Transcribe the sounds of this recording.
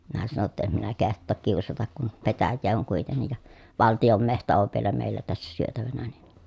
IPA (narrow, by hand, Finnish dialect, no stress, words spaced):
minæ sɑno tːɑ em minæ kehtˑoːk kiusɑtɑk kun petæjːeː oŋ kuitenːij jɑ ʋɑltijom mehtæ oʋ ʋielæ meˑilːæ tæsːæ syøtæʋænæ ni